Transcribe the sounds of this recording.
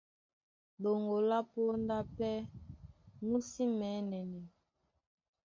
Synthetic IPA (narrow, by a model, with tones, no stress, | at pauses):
lo˨ŋɡo˨la˦po˦nda˦pɛ˦ | mu˦si˦mɛ˨˦nɛ˨nɛ˨